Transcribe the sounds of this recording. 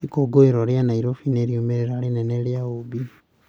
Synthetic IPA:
ikoɡoeɾoɾjanaiɾofineɾjomeɾeɾalineneljaobiu̥

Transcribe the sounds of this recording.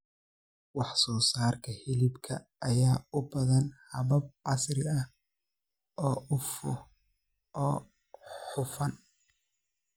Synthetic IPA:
wɑħsɔːsaːrkʰɐhɪlɪbkʰɐː | jaːʊbɐðɐnhɐβɐb̚ʕɑsrɪɐ | ʔɔːʊfʊ | ɔː | ħʊfɐn

